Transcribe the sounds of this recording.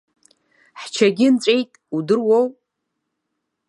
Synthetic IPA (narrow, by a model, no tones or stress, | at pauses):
ħt͡ʃʰaɡʲɪnt͡sʷʼejtʼudɨrwow